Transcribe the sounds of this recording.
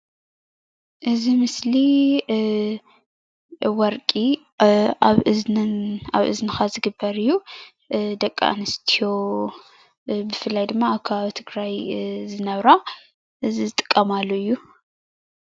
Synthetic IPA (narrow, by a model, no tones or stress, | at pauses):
ʔɨzimɨsli | wɔɾkʼi | aβɨznaβʔɨ̰znɨxazɨɡɨbːɐɾɨjːu | d̪ɐkʼːa̰ʔa̰nɨst̪ʰijo̞ | bɨfɨlːajd̪ɨmːaːβkʰɐβaβit̪ʰɨɡɾajzɨnɐβɾa | ʔɨzizɨt̪ʼɨ̥kʼːɐmalːoɨjːu